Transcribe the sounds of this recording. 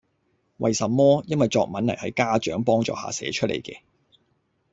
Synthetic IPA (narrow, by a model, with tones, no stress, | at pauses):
wʔɐ̰˨jsɐ˨mːɔː˥jɐ˥nwɐ˨jt͡sɔː˧k̚mɐ˨˥nlɐ˨˩hɐ˨˥jkaː˥t͡ʃœː˨˥ŋpɔː˥ŋt͡ʃɔ̰ː˧ha̰ː˨sɛ̰ː˨˥t͡ʃʰɵ˥t̚ʔḛ˨˩jkɛ̰ː˧